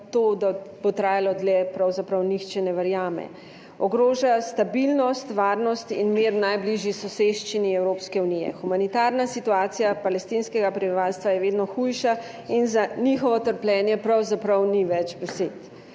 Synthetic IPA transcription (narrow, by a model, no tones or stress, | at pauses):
t̪od̪abot̪ɾaːjalɔd̪lɛpɾawzapɾɐwnixt͡ʃɛnɛʋəɾjaːmɛ̰ | ɔɡɾoːʒast̪abilnɔst̪ʋaːɾnɔst̪ḭnmeɾnajbliʒjisɔseʃt͡ʃiniɛwɾoːpskɛunijɛ̰xumanit̪aːɾnasit̪uaːt̪sijapalɛst̪inskɛɡapɾɛbiʋaːlst̪ʋajɛʋeːd̪nɔxujʃa | inzanixɔʋɔt̪əɾplʲɛːnjɛpɾawzapɾɐwniʋɛd͡ʒbɛseːt̪